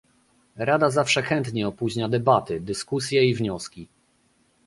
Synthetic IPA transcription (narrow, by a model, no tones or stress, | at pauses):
ɾad̪azafʂɛxɛnt̪ɲɛɔpuʑɲad̪ɛbat̪ɘd̪ɘskusʲjɛivɲɔskʲi